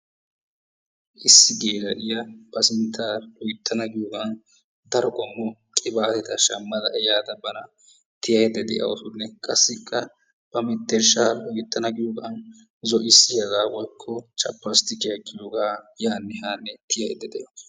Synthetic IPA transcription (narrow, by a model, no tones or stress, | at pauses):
ʔɪsːɪɡeːlɐʔɪjɐb̥ɐsɪnt̪ʰːaːʊjt̪ʰːɐnɐɡɪjoːɡan | d̪ɐɾɔɡʼɔmːɔkʼɪbaːt̪ɛt̪ɐʃɐmːɐd̪ɐʔɛjaːd̪ɐbɐnɐ | t̪ɪjɐjɛd̪ɛd̪ɛ̰jʔɐ̰w̰sʊnːɛkʼɐsːɪkʼːɐ | b̥ɐmɪt̪ːɛɾʃaːʔʊjt̪ːɐnɐɡɪjoːɡɐn | zɔʔɪsːɪjɐzaːwɔjkʰːɔt͡ʃʼɐpːɐst̪ɪkɪjɐkʼːɪjoːɡaːjaːnːɛhaːnːɛt̪ɪjɐjɛd̪ɛd̪ɛjɐws